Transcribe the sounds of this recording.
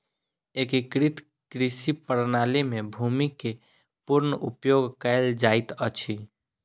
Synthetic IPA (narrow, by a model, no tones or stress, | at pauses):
ekikɾit̪ | kɾisipəɾnalemebʱumike | puɾnəʔupjoɡkəɪld͡ʒajt̪ət͡ʃʰi